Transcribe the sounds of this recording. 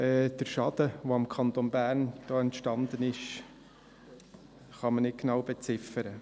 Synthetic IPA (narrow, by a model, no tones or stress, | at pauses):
ɛːd̪̥əɾʃɑd̪̥əʋoɪmkʰɑnt̪onbæːɾnd̥ɑːɛntʃtɑnd̪ənɪʃ | χɑmənɪt̚ɡnɑwbɛt͡sɪfəɾə